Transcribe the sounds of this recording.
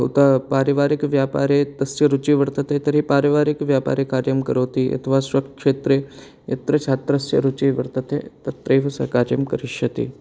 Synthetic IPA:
ṵt̪əpaːɾiʋaːɾɪkʋjaːpa̰ːɾet̪ɐsjɐɾut͡ʃiːʋɐɾt̪ət̪eːt̪ɐɾipaːɾiʋaːɾikʋjaːpa̰ːɾjekaːɾjɐmkɐɾoːt̪iʔɐ̰t̪ʰʋaːsʋɐk̚kʂeːt̪ɾe | ɐ̰t̪ɾɐt͡ʃʰaːt̪ɾɐsjɐ̰ɾut͡ʃiːʋɐɾt̪ɐt̪ʰḛt̪ɐt̪ɾejʋɐsa̰kaːɾjɐmkɐɾiʃɐt̪ḭː

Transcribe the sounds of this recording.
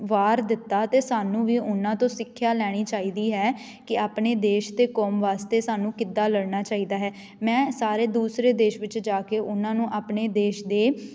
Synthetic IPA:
ʋaːɾd̪ɪt̪ːaːt̪eːsaːnũːʋiːʊnãːt̪õːsɪkʰːjaːlɛːɽ̃iːt͡ʃaːiːd̪iːɦɛː | kɪaːpneːd̪eːʃd̪eːkɔːmʋaːst̪eːsaːnũːkɪd̪ːaːləɽnaːt͡ʃaːiːd̪aːɦɛː | mɛ̃ːsaːɾeːd̪uːsɾeːd̪eːʃʋɪt͡ʃd͡ʒaːkeːʔʊnãːnũːʔaːpneːd̪eːʃd̪eː

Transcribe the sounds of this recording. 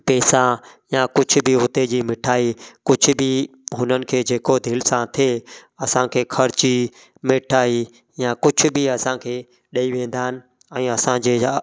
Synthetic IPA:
pɛːsãjakʊd͡ʑʱʊ̆bɪɦʊt̪ed͡ʑiːmɪʈʰaːikʊd͡ʑʱʊbɪ | ɦʊnənɪ̆kʰeːd͡ʑeːkod̪ʱɪlsãt̪ʰeːɐsãkʰeːkʰɐɾt͡ɕi | mɪʈʰaːi | jãkʊd͡ʑʱʊ̆bɪɐsãkʰeː | ɗɐiʋẽːn̆d̪aːɦɪnɪ̆ | ɛ̃ːɐsãd͡ʑeː

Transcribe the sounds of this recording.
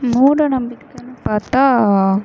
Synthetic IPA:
muːɾɐnɐmbikːɐnupɐt̪a

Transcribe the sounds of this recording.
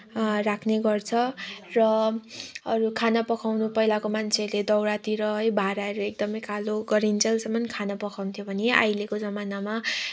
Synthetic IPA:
rakʰneɡʌrt͡sʰʌrʌ | ʌɾukʰanʌpʌkʰawnupʌjlakomant͡sʰeled̪ʌwɽat̪iɾʌɦʌjbʱaɾaʌɾuek̚d̪ʌmʌjkʰaloɡʌɾint͡sʌlsʌmʌnkʰanʌpʌkʰawnt̪ʰjobʱʌnea̰jlekod͡zʌmanama

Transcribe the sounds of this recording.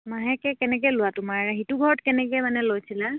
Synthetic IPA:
maɦɛkɛkɛnɛkɛlʊwatʊmaɹɛɦitʊɡʱɔɹɔtkɛnɛkɛmanɛlojsʰila

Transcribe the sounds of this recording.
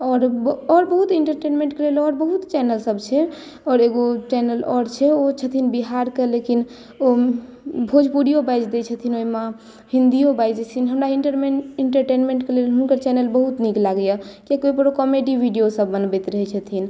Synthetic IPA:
ɔːɾɔɾbəɦut̪iɳʈəɾʈenmẽɳʈkelelɔɾbəɦut̪t͡ʃɛnəlsəbt͡ʃʰɛ | ɔːɾeɡot͡ʃɛnəlɔɾt͡ʃʰɛot͡ʃʰət̪ʰinbiɦaɾkelekin | o | bʱod͡ʒʱpuɽijobajd͡ʒd̪ɛt͡ʃʰət̪ʰinoime | ɦĩnd̪ijobajd͡ʒt̪ʰinɦəmɾaiɳʈəɾmeiɳʈəɾʈenmẽɳʈkelelɦunkəɾt͡ʃɛnəlbəɦut̪niklaɡəjakekoipəɾokɔmeɖiʋiɖijosəbːənbɛt̪ɾəɦɛt͡ʃʰət̪ʰin

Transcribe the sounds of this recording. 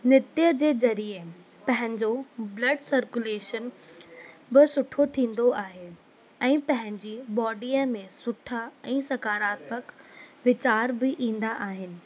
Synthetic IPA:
nɪt̪ijəd͡ʑeːzɐɾie | pɐ̃ɦɪ̃ɲd͡ʑoblɐɖsɐɾkuleːʃən | bɪsʊʈʰot̪ʰĩːn̆d̪oʔaːɦe | ɛ̃ːpɐ̃ɦɪ̃ɲd͡ʑiːbɔːɖiːəmẽsʊʈʰaɛ̃ːsɐkaːɾaːt̪məkʋɪt͡ɕaːɾbɪʔĩːn̆d̪aʔaːɦɪnɪ̆

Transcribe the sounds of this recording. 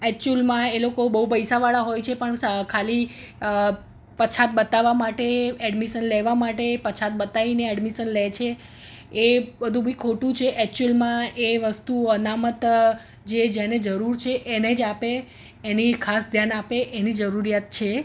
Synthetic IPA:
ɛk̚t͡ʃəlmãelokobəɦupəjsaʋaɭaɦojt͡ʃʰepəɳkʰali | pət͡ʃʰat̪̚bət̪aʋamaʈeɛɖmiʃənleʋamaʈepət͡ʃʰat̪̚bət̪aineɛɖmiʃənlet͡ʃʰe | ebəd̪ʱũbʱikʰoʈũt͡ʃʰeʔɛk̚t͡ʃuulmãeʋəst̪uənamət̪ | d͡ʒed͡ʒaned͡ʒəɾuɾt͡ʃʰeʔened͡ʒapeː | nikʰasd̪ʱjanapeʔenid͡ʒəɾuɾijat̪̚t͡ʃʰe

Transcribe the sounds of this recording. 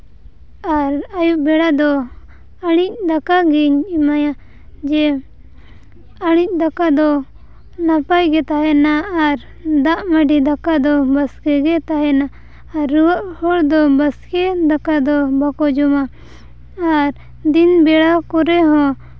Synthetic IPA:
aɾajuʔbɛɽad̪ɔ | aɽ̃ic̚d̪akaɡiɲimaja | d͡ʒɛ | aɽ̃ic̚ˀd̪akad̪ɔ | napajɡɛt̪aɦɛnaːɾ | d̪aʔməɖid̪akad̪ɔbəskɛɡɛt̪aɦɛnaː | ɾːuwaʔhɔɽd̪ɔbaskɛd̪akad̪ɔbakɔd͡ʒɔmaː | ɾ | d̪inbɛɽakɔɾɛɦɔ̃

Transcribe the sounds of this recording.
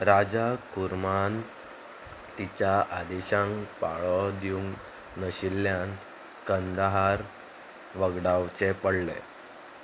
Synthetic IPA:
ɾad͡zakuɾman | t̪it͡ɕjaʔad̪ɛɕãŋkpa̰ɭɔd̪iuŋ | nəɕilːjan | kənd̪aɦaɾ | ʋəɡɽawt͡ɕepəɽlḛ

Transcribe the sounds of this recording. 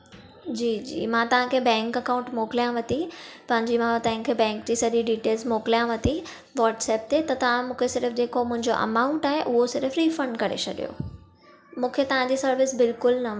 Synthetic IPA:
d͡ʑiːd͡ʑḭːmãt̪ɐʋ̤ãkʰeːbɛ̃ːŋkɐkãːʊ̃ɳʈmoːkɪlijãʋɐt̪ipɐ̃ɦɪ̃ɲd͡ʑimãt̪ɐɦɪ̃ŋkʰeːbɛ̃ːŋk̚d͡ʑiːsɐɗiɖiːʈeːlzmoːkɪlijãʋɐt̪i | ʋaːʈsɛːp̚t̪et̪ɐt̪ɐʋ̤ãmũːkʰesɪɾəfd͡ʑeːkomʊ̃ɦɪ̃ɲd͡ʑo̰ʔɐ̰maːʊ̃ɳʈaːɦeʔʊɦosɪɾəfɾiːfɐ̃ɳɖkɐɾḛt͡ɕʰɐɗijo̰ | mũːkʰet̪ɐʋ̤ãd͡ʑiːsɐɾʋɪsbɪlkʊlnɐ

